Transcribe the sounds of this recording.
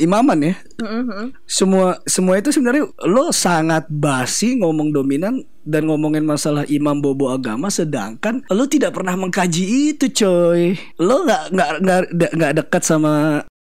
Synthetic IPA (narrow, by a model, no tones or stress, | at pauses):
imamanja | səmuasəmuait̪̬usəbənaɾilosaŋat̪̚basiŋomɔŋdominan | danŋomɔŋɪnmasalahʔimamboboaɡa̰masəda̰ŋkanlot̪idaʔpərnahməŋkad͡ʒiːt̪ut͡ʃoj | loŋɡaʔŋɡaʔŋɡaʔdaʔŋɡaʔdəkat̪̚sama